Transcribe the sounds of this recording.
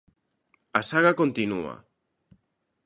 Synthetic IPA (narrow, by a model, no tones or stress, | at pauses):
asaɣakont̪inṵa̰